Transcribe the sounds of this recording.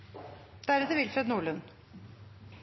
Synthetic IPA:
d̪̥æɾɛt̪əɾʋɪlfɾɛːd̪nuːɭʉn

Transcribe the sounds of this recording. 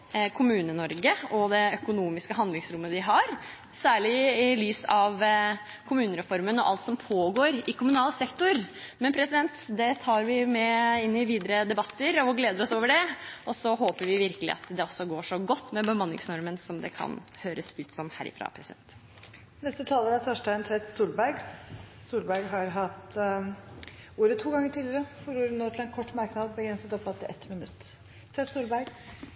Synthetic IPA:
kʰʊmʉːnənɔɾɡəɔd̪ɛœkʊnuːmɪskəɦɑnd̪lɪŋsɾʊmːəd̪ɪɦɑɾ | sæːɭɪɪlyːsɑʋ | kʰʊmʉːnəɾɛfɔɾmənɔʔɑlt̪sɔmpʰoːɡoːɾɪkʰʊmʉnɑːlsɛkt̪ʊɾmɛnpʰɾɛsɪd̪ɛnt̪d̪ɛt̪ʰɑːɾʋɪmɛɪnːɪʋiːd̪əɾəd̪ɛbɑt̪ʰːəɾɔɡleːd̪əɾɔsoːʋəɖɛʔɔsɔɦoːpəɾʋɪʋɪɾkəlɪ̰ʔɑ̰t̪d̪ɛɔsːɔɡoːʂɔɡɔt̪ːmɛbəmɑnːɪ̰ŋsnɔɾmənsɔmd̪ɛ̰kʰɑ̰nhøːɾəsʉːt̪sɔmhæ̰ːɾɪ̰fɾɑ̰pʰɾɛsɪd̪ɛnt̪ | nɛst̪ət̪ʰɑːləɾɑɔʂəd̪ɑənt̪ʰɾɛt̪suːlbæɾɡsuːlbæɾɡɦɑɾɦɑt̪ | uːɾət̪ʰuːɡɑŋːəʈʰiːlɪɾəfɔɾuːɾənoːt̪ʰɪlɛnkʰɔʈːmæɾksɑbbəɡɾɛnsət̪ɔpʰlɑt̪ːɪʔɛt̪ːmɪnʉt̪ʰː | ɾɛt̪suːlbæɾɡ

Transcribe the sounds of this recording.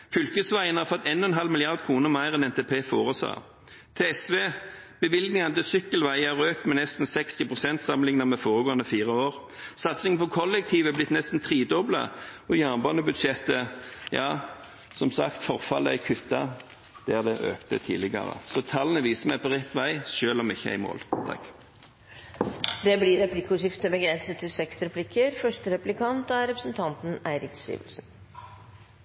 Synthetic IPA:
fʏlkəsʋæɪənhɑʁfɔt̪ʰːeːnɔɛnɦɑlmɪlɪɑʁd̪kʰʁuːnəʁmæɪʁɛnɛnt̪ɛpʰeːfoːʁəsɑ̰ː | t̪ʰeːɛsʋeːb̥əʋɪlɡ̪nɪŋɑnət̪ɪsʏkːəlʋæɪæʁøːkt̪mɛnɛst̪n̩sɛkst̪ɪpʰʁʊsɛnt̪sɑmlɪŋnəmɛfoːʁəɡoːɑnd̪əfiːʁəoːʁ | sɑt̪sɪŋənpɔkʰɔlːɛk̚t̪ʰiːʋəblɪt̪nɛst̪n̩t̪ʰʁiːd̪ɔblɑ̰ɔjæːnbɑnəbʉd̪ʃɛt̪ːəjɑː | sɔmsɑ̰kt̪fɔʁfɑləækʰʏt̪ːɑ | d̪̥æʁd̪ɛʔø̰ːkt̪ət̪ʰiːlɪɡɑ̰ʁə̰sɔt̪ʰɑlnəʋiːsəmæɪpɔʁɛt̪ːʋæɪʃøːlɔmɪçːəæ̰ɪmo̰ːlt̪ʰɑ̰kː | d̪ɛblɪɾɛpʰlɪkːʊʂɪft̪əbəɡɾɛnsət̪ʰːɪlsɛksɾɛpʰlɪkːəɾfœʂʈəɾɛplɪkʰɑnt̪æɾɾɛpɾəsnt̪ʰɑnt̪n̩æɪɾɪksḭːʋəlsn

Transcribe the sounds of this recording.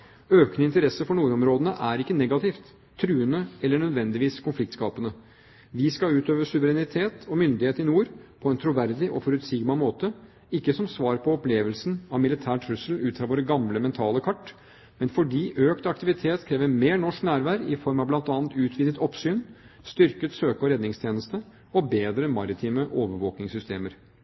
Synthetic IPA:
øːknəɪnt̪əɾɛsːəfɔɳuːɾɔmɾoːd̪ənəʔæɾɪkːənɛɡɑt̪ʰɪft̪ʰː | ɾʉːənəɛlːəɳœd̪ʋɛnd̪ɪʋiːskʰʊnflɪkt̪skɑːpənə | ʋɪskɑʉːt̪øːʋəsʉʋəɾɛnɪt̪ʰeːt̪ʰɔmʏnd̪ɪheːt̪ɪnuːɾpʰɔɛnt̪ʰɾʊʋæɾd̪ɪʔɔfɔɾʉt̪siːɡmɑmoːt̪ə | ɪkːəsɔmsʋɑːɾpʰɔɔpleːʋəlsnɑʋmɪlɪt̪ʰæːʈʰɾʉsəlʉːt̪fɾɑʋoːɾəɡɑmləmɛnt̪ʰɑːləkʰɑʈː | mɛnfɔɖiːʔøːkt̪ɑk̚t̪ɪʋɪt̪ʰeːt̪kʰɾeːʋəɾmeːɳɔʂknæːɾʋæːɾɪfɔɾmɑʋblɑnt̪ɑːnt̪ʉːt̪ʰʋɪd̪ət̪ɔpsyːn | st̪ʏɾkət̪søːkɔɾɛd̪nɪŋst̪ʰjeːnəst̪ə | ɔbeːd̪ɾəmɑɾɪt̪ʰiːməʔoːʋəɾʋoːknɪŋsʏst̪eːməɾ

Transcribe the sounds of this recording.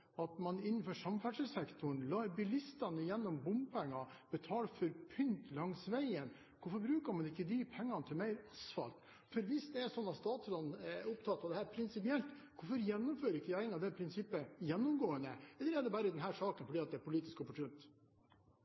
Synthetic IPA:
ɑt̪mɑnɪnːənfɔʂɑmfæʈʂəlsɛkt̪ʊɳlɑːɾbɪlɪst̪ɑnəɪjɛnːɔmbʊmpʰɛŋːɑb̥ət̪ʰɑːlfɔɾpʰʏnt̪lɑŋsʋæɪən | kʊɾfɔɾbɾʉːkɑɾmɑnɪkːəd̪ipʰɛŋːɑnət̪ʰɪlmæɪɾɑsfɑ̰lt̪ | fɔɾʋɪsd̪ɛːsɔnːɑt̪st̪ɑːt̪slɑnʊpt̪ʰɑt̪ːɑd̪ɛhæːɾpʰɾɪnsɪpɪɛlt̪ | kʊɾfɔɾjɛnːʊmføːɾəɾɪkːəjææɪnɑʋd̪ɛpʰɾɪnsɪpːəjɛnːʊmɡoːənəɛlːəɾɛɾd̪ɛbɑːɾəɪd̪ɛnɦæːʂɑːkənfɔɖiːɑt̪d̪ɛæɾpʰʊliːt̪ɪskɔpɔʈʰʉːnt̪

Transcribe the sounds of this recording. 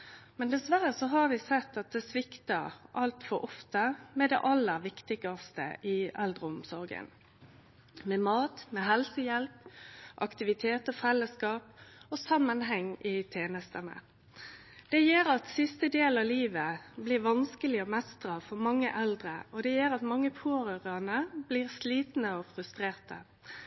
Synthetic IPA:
mɛnd̪ɛsʋæɾəsɔɦɑɾʋɪsɛt̪ːɑt̪̚d̪ɛsʋɪkt̪əɾʔɑlt̪fɔɾɔft̪əmɛd̪ɛ̰ʔɑlːəɾʋɪkt̪ɪɡɑst̪ə̰ʔɪʔɛld̪ʁəɔmsɔɾɡə̰n | mɛmɑːt̪mɛɦɛlsəjɛlpʔɑkt̪ɪʋɪt̪ʰeːt̪ɔfɛlːəskɑːposɑmːənɦɛŋɪt̪ʰeːnəst̪ənə̰ | d̪̥ɛjeːɾɑt̪sɪst̪əd̪eːlɑːliːʋəblɪːʁʋɑnskəlɪɔmɛst̪ʁɑfɔʁmɑŋːə̰ʔɛld̪ʁəʔɔd̪ɛjeːɾɑt̪mɑŋːəpʰuːɾəʁɑnəbliːʁsliːt̪n̩əɔfʁʉst̪ʁeːʁt̪ə

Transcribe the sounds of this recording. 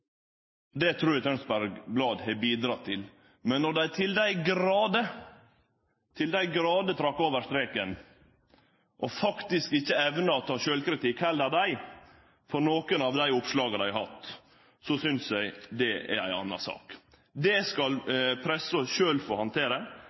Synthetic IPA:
d̪ɛt̪ʰɾuːɾt̪ʰœnsbæɾɡblɑːd̪ɦɛbiːd̪ɾɑt̪ʰɪl | mɛnːɔɖ̪æɪt̪ʰɪld̪æɪɡɾɑːd̪ə | t̪ʰɪld̪æɪɡɾɑːd̪ət̪ʰɾɑkːoːʋəʂt̪ɾeːkən | ʔɔfɑkt̪ɪskɪçːəɛʋnɑɔt̪ʰɑːɕøːlkɾɪt̪ʰɪkhɛld̪æɖ̪æɪ | fɔɾnoːkənɑʋd̪æɪʊpʂlɑːɡəd̪æɪhɑt̪ | sɔsʏnsjæɪd̪ɛæ̰ɾæ̰ɪɑ̰nːɑ̰sɑ̰ːk | d̪ɛskɑlpʰɾɛsɔʃøːlfoːhɑnt̪ʰeːɾə

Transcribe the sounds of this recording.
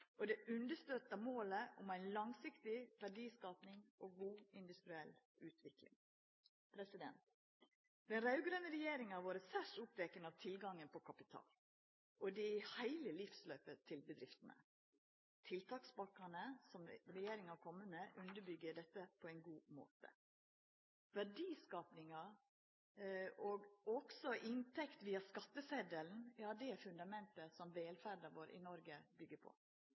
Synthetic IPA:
ʔɔd̪ɛʔʉnd̪əʂt̪øːt̪əmoːləʔʊmæɪnlɑŋsɪkt̪ɪʋæɖiːskɑːpnɪŋʔoːɡɡuːɪnd̪ʉst̪ɾʏɛlː | ʉːt̪ʰʋɪklɪ̰ŋ | pʰɾɛsɪd̪ɛ̰nt̪ | d̪ɛnɾɑʉɡɾøːnəɾɛjeːɾɪŋɑʋɑːɾəsæʂʊp̚t̪ɛːkənəɑʋt̪ʰɪlɡɑŋːənpʰɔkʰɑpɪt̪ʰɑ̰ːl | ʔɔd̪ɛæhæɪləlɪfslœʏpət̪ʰɪlbəd̪ɾɪft̪n̩ə̰ | t̪ʰɪlt̪ʰɑːksbɑkɑnəsɔmɾɛjeːɾɪŋɑʋkʰɔmʉnəʔʉnd̪əbʏɡːəɖɛt̪ːəpʰɔæɪnɡuːmo̰ːt̪ə̰ | ʋæɖiːskɑːpnɪŋɑ | ʔoːɡɔksɔʔɪnt̪ʰɛkt̪ʋiːɑskɑt̪ːəfɛd̪əln̩jɑːd̪ɛæfʉnd̪ɑmɛnt̪əsɔmʋeːlfæɾɖɑʋoːɾʔɪ̰nɔɾɡəbʏɡːəpʰɔ̰

